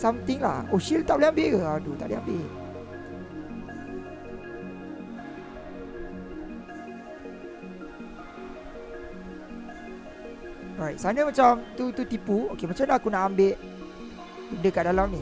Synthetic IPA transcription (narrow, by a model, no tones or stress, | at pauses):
samt̪ɪŋla̰hoʃilt̪aʔbliambeʔəadut̪a̰ʔbliambe | ɔɹajt̪̚sanəmat͡ʃamt̪ut̪ut̪ipuokemat͡ʃamlakunaʔambeʔ | bəndəkaʔdalamni